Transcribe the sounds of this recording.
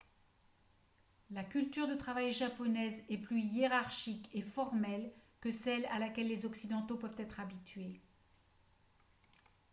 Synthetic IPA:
lakʲylt̪yʁd̪ət̪χavajʒapɔnɛzɛplyjeʁaʁʃikefɔʁmɛlkəsɛlalakʲɛlːezɔksid̪ɑ̃t̪opœvt̪ɛt̪χabit̪ɥe

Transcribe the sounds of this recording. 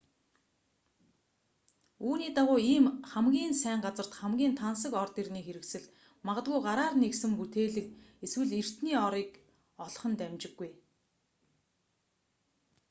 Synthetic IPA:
uːniːt̪aʁʊːiːmχæmɡʲiːnsæːɴɢat͡sə̆r̥t̪χæmɡʲiːnt̪ʰans̬ə̆kɔrt̪irniːxeɾɘ̆ksɘ̆ɮ | maʁə̆t̪̚ɡujɢaɾaːrneksɘ̆mput̪ʰeːɮɘ̆keswɘ̆ɮer̥t̪niːɔɾiːk | ɔɮ̆χɞ̆nt̪æmt͡ɕɪ̆ɡːuj

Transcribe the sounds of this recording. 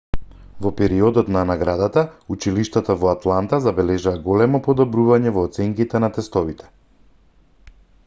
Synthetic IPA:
vɔpɛɾiɔd̪ɔt̪nanaɡɾad̪at̪aut͡ʃiliʃt̪at̪avɔat̪lˠant̪azabɛlɛʒaaɡɔlɛmɔpɔd̪ɔbɾuvaɲɛvɔːt̪sɛŋkit̪ɛnat̪ɛst̪ɔvit̪ʰɛ̥

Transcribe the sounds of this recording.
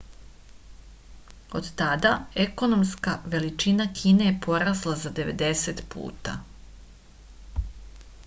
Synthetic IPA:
od̪t̪ad̪aeko̞no̞mskaʋe̞lit͡ʃinakʰiːneepʰo̞ɾaslˠazad̪e̞ʋḛd̪e̞set̪pʰṵːt̪a̰

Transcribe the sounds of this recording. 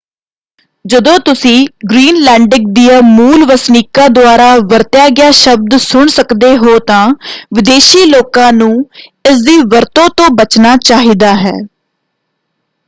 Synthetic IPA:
d͡ʒəd̪õːt̪ʊsĩːɡɾiːnlɛːɳɖɪk̚d̪ijaːmuːlʋəsniːkaːd̪ʊaːɾaːʋəɾt̪ɪjaːɡɪjaːʃəb̚d̪sʊɳsəkd̪eːɦoːt̪ãːʋɪd̪eːʃiːloːkãːnũːɪs̬d̪iːʋəɾt̪õːt̪õːbət͡ʃnaːt͡ʃaːɦiːd̪aːɦɛ̰ː

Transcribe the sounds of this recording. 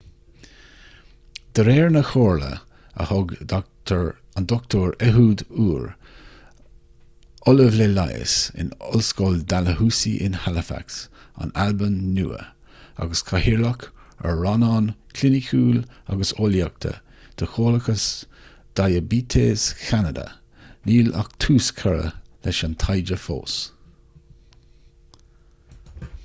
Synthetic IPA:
d̪̥əɾeːɹnəxoːɹlə̰ | ə̰hɔɡʰ | and̪ɔk̚t̪ʰoːɹɛɦuːd̪uːɹ | ɔləvlelajə̰sɪ̰nɔlskoːld̪aləhuːsiʔɪ̰nhaləfa̰ks | a̰nalbənːṵːə̰ | a̰ɡəskʰahiɹlɔkʰə̰ɹɑnɑnkʰlɪnɪkʰuːla̰ɡəsoljak̚t̪ʰə̰ | d̪̥əxoːləkəs | d̪̥ajəbiːt̪ʰeːskʰanəd̪ə̰ | niːla̰k̚t̪ʰuːskʰəɹə̰lɛʃant̪ʰajd͡ʒəfo̰ːs

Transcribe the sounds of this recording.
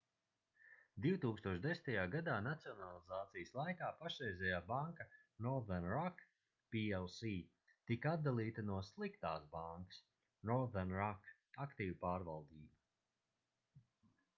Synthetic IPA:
d̪iwt̪uːkst̪uɔʃd̪esʲn̥ʲt̪ajaːɡad̪aːnat̪siɔnalˠizaːt̪sijəslˠajkaːpaʃɾɛjzʲɛjaːbaŋkɐnɔɾðɛɾnɾak | piɛlˠsi | t̪ikat̪̚d̪alˠiːt̪ɐnuɔslˠikt̪aːsbaŋkə̥s | nɔɾðɛɾnɾak | akt̪iːvpaːɾvalˠd̪iːbɐ

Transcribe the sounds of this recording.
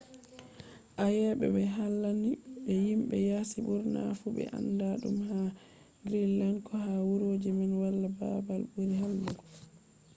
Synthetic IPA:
ʔajɛɓɛ̰bɛɦalːaniɓɛjimɓɛ̰jaːsiɓuɾna̰fubɛ̰ʔa̰ndaɗumha | ɡɾilːankɔhawuɾod͡ʒimanwalːaba̰balbuɾihalːuɡ

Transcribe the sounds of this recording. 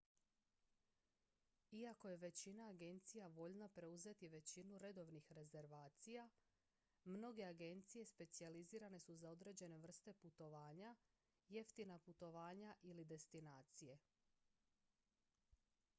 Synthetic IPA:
iako̞je̞ʋe̞t͡ɕinaːɡe̞nt̪sijaʋo̞ʎnapɾe̞uze̞t̪iʋe̞t͡ɕinuɾe̞d̪o̞ʋnixɾe̞ze̞ɾʋaːt̪sija | mno̞ɡe̞aɡe̞nt̪sije̞spe̞t̪sializiːɾane̞suzao̞d̪ɾe̞ːd͡ʑe̞ne̞ʋr̩st̪e̞put̪o̞ʋaːɲa | je̞ft̪inaput̪o̞ʋaːɲaʔilid̪e̞st̪inaːt̪sije̞

